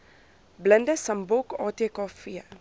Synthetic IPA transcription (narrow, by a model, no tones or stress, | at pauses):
bləndəsɐmbɔkɑːteːkɑːfiə